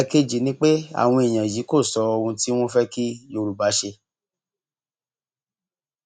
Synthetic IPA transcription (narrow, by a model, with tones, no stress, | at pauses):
ke˦d͡ʒi˨˦nĩ˦k͡pe˦a̰˦˨w̃ɔ̃˧e˨j̃ã˨ji˨˦ko˦˨sɔ˨˧ɔ˧ũ˧ti˦w̃ɔ̃˦fɛ˦ki˦jo˧ɾu˨ba˨˦ʃe˧